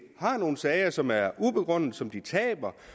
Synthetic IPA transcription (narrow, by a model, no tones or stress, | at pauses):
hɑ̈no̝ːn̩sɛːɪɐsɒ̽mæɐub̥e̝ɡ̥ʁɔ̽n̰ð̩ˠsɒ̽md̥it͡sʰɛ̰ːb̥ɐ